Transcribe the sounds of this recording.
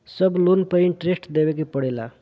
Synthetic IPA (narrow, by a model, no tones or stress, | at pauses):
səblunpəiɳʈɾesʈd̪eʋek̬ipəɽela̰